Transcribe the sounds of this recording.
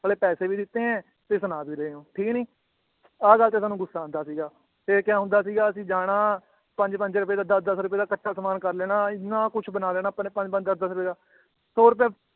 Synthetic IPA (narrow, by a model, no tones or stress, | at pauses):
bəːleːpɛːseːʋiːd̪ɪt̪ːẽːɛ̃ː | t̪eːsʊnaːbiːɾəɦeːõːʈʰiːknĩː | aːɡəlt̪eːs̬aːnːũːɡʊsːaːə̃nd̪aːsiːɡaː | t̪eːkjãːɦʊ̃nd̪aːsiːɡaːəsĩːd͡ʒaːɽ̃aː | pə̃ɲd͡ʒpə̃ɲd͡ʒɾʊp̬eːd̪aːd̪əsd̪əsɾʊp̬eːd̪aːkəʈːʃaːsəmaːnkəɾlɛːɽaːɪnãːkʊt͡ʃʰbənaːlɛːɽ̃aːpəpə̃ɲd͡ʒpə̃ɲd͡ʒd̪əsd̪əs̬ɾʊpeːd̪aː | soːɾʊp̬ɛː